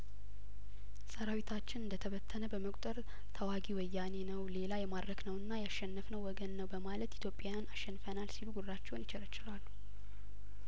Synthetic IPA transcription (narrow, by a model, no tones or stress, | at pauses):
səɾawit̪ʰat͡ʃːɪnɨnd̪ət̪ʰəβət̪ʰːənəbəməkʷʼt̪ʼəɾ | t̪ʰəwaɡiwɔjːane̞nəwle̞lajɛmad̪ɾəɡnəwɨnːajaʃːɛnːəfnəwːɔɡənːəwbəmalət̪it̪ʰjo̞pʼːjajanaʃːɛnːfənalsiluɡurːat͡ʃːɛwnjɪt͡ʃɪɾət͡ʃːɪɾalːu̥